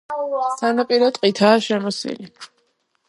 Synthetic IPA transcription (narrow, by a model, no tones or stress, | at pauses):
sʰanapʼiɾɔt̪ʼqʼit̪ʰaːʃɛmɔsḭli